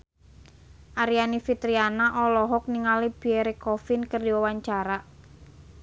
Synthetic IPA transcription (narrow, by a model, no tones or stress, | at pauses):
ʔaɾianifit̪ɾianaʔɔlɔɦɔk̚niŋalib̥ieɾekɔfɪnkərdiwawaɲt͡ʃaɾa